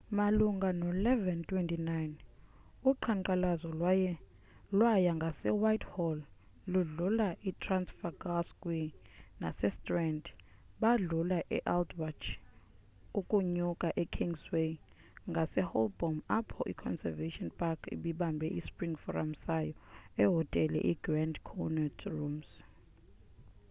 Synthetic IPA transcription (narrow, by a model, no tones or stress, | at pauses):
maluŋɡʱanɔlɛvɛntʰʼwɛntʼinajn | uǃʰaŋǃʼalazɔla | lwajaŋɡʱasɛwajthɔlː | uɮulaʔitʰransfaɡaskʼwina̰sɛstʼrɛndɓaɮulaʔɛ̰ʔaldwat͡ʃʰ | ukʼuɲukʼaʔɛkʰiŋɡswe | ŋɡʱasɛhɔ̰lbɔmapʰɔʔikʰɔ̰nsɛ̰vetɔnpʼakʰḭɓiɓambʱɛʔispʼriŋfɔra̰msajɔɛɦɔtʼɛlɛ̰ʔiɡrandkʰɔnatʰrums